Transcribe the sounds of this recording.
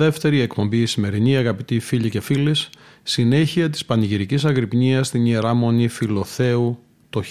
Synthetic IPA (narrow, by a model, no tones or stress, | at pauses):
e̞ft̪e̞ɾie̞kpo̞mbiːsime̞ɾiniɐɣɐpit̪ifiʎice̞filis | sine̞çiɐt̪̬i̥spɐniʝiɾicisɐɣɾipɲiɐst̪inieɾɐmo̞nifilo̞θe̞u | t̪o